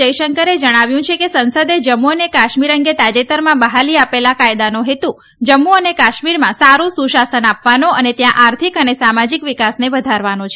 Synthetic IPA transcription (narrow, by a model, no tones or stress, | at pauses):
əjʃəŋkəɾed͡ʒəɽ̃aʋjũt͡ʃʰekesənsəd̪ed͡ʒəmːuənekaʃmiɾəŋɡet̪ad͡ʒet̪əɾmãbəɦaliapelakajd̪anoɦet̪u | d͡ʒəmːuənekaʃmiɾmãsaɾũsũʃasənapʋanoənet̪jãʔaɾt̪ʰikənesamad͡ʒikʋikasneʋəd̪ʱaɾʋanot͡ʃʰe